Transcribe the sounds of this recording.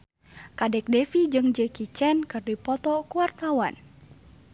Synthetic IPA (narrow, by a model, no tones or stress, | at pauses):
kadɛk̚dɛfid͡ʒɨŋd͡ʒɛkit͡ʃɛnkɨrdipɔt̪ɔkuwart̪awan